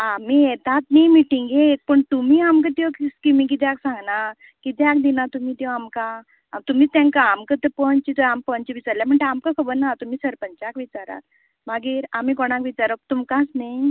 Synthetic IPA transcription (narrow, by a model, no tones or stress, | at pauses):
amiːjet̪at̪nijmiʈiŋɡek̚pəɳt̪umiːamkət̪jɔkskimĩk̬it̪jaksãŋɡna | kit̪eak̚d̪inat̪umiːt̪jɔamka | t̪umiːt̪ãŋkaːmkət̪əpɔnt͡ɕit̪ɔampɔnt͡ɕiʋit͡saɾljam̤əɳʈ̪eamkakʰəbəɾnat̪um̤iːsəɾpəɲt͡ɕakʋit͡ɕaɾa̰t̪ | maɡiːɾam̤ikɔɽ̃ãkʋit͡ɕaɾək̚t̪umkasnej